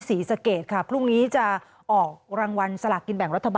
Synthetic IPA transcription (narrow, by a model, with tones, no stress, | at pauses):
siː˩˦sa˧keː˨˩t̪̚kʰa˦˥˩pʰɾu˥˩ŋniː˦˥t͡ɕa˨˩ | ʔɔː˨˩k̚ɾaː˧ŋwa˧nsa˧la˨˩kːi˧nbɛ˨˩ŋɾa˦˥t̪ʰːa˧b